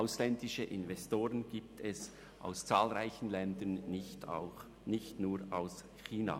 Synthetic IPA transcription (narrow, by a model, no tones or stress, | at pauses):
ʔaʊslɛndɪʃəʔɪnvɛstoːʁənɡ̥iːp̚tʰɛs | ʔa̰ʊst͡saːlʁaɪçn̩lɛndənɪta̰ʊ | nɪçtnuːɾaʊs | xiːna̰